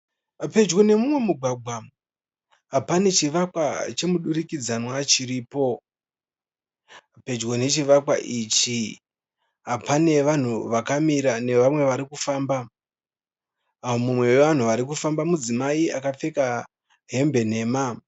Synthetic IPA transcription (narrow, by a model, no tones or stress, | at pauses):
pe̞d͡ʒɡone̞mumwe̞muɡʱwaɡ͡bʱwa | ɦapane̞t͡ʃiʋakwat͡ʃe̞muɗuɾikid͡zanwat͡ʃiɾiːpo̞ | pe̞d͡ʒɡone̞t͡ʃiʋakwa̰ʔit͡ʃi | ɦapane̞ʋan̤uʋakamiɾane̞ʋamwe̞ʋaɾikufaːmba | omumwe̞weʋan̤uaɾikufambamud͡zimaiakap͡fe̞ka | ɦe̞mbe̞n̤e̞ːma